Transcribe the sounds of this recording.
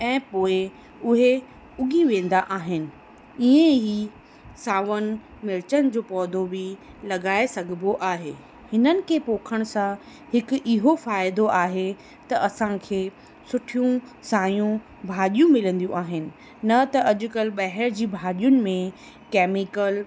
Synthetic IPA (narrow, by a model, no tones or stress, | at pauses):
ɛ̃ːpoːɪ | ʊɦe | ʊɡʱiʋẽːn̆d̪aʔaːɦɪnɪ̆ | iẽɦi | saːʋənɪ̆ | mɪɾɪt͡ɕənɪ̆d͡ʑoːpɔːd̪ʱobɪ | lɐɠaːesɐɡʱɪboʔaːɦeː | hɪnənɪ̆kʰeːpoːkʰəɽ̃sã | hɪkʔɪɦofaːɪd̪oʔaːɦe | t̪ɐʔɐsãkʰeː | sʊʈʰijũsaːjũ | bʱaːɗijũmɪlə̃nd̪ijũʔaːɦɪnɪ̆ | nɐt̪ɐʔɐʄʊ̆kɐlɓɐɦəɾd͡ʑiːbʱaːɗijʊnɪ̆mẽ | kɛːmɪkəl